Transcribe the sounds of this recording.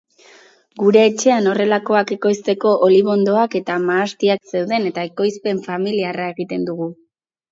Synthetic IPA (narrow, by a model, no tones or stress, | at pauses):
ɡuɾe̞ːt͡ʃe̞ano̞re̞lako̞ake̞ko̞jst̪e̞ko̞ʔoliβo̞nd̪o̞ake̞t̪amaːst̪iakse̞wðe̞ne̞t̪ae̞ko̞jspe̞ɱfamiliarae̞ɣit̪e̞nd̪uɣu